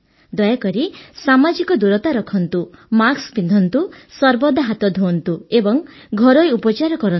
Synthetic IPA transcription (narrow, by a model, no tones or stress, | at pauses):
d̪ɔjakɔɾisamad͡ʒikɔd̪uɾɔt̪aɾɔkʰɔnt̪umaksbind̪ʱɔnt̪usɔɾbɔd̪ʱaɦat̪ɔd̪ʱont̪uebɔŋɡʱɔɾɔjupɔt͡ʃaɾɔkɔɾɔn